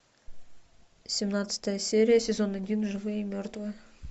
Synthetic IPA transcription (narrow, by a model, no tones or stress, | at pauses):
sʲemnɑt̪sə̥t̪əjəsʲe̞ɾʲijəsʲe̞zo̞ned̪ʲinʒɨvɨmʲørt̪və